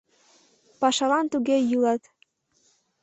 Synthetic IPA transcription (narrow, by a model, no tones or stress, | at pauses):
pɑʃɑlɑnt̪uɣejulɑt̪